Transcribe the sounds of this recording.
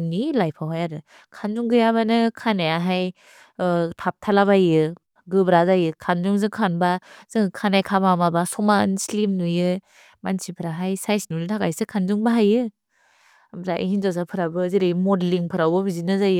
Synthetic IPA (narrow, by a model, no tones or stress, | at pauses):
nilajpʰawɦajaɾɯ | kʰanzuŋɡɯjaβanɯkʰanajaɦaj | tʰap̚tʰalaβajɯ | ɡɯbɾazajɯkʰanzuŋzɯŋkʰanbaz̥ɯŋkʰanajkʰabamabasɔmanslimnujɯ | mansipʰɯɾaɦajsajsinunɯtʰaɡajsɯkʰanzuŋbaɦajɯ | mzaʔḭhinzas̬apʰɯɾabɯziɾɯjmɔdliŋpʰɯɾawbɯbizinɯzajɯ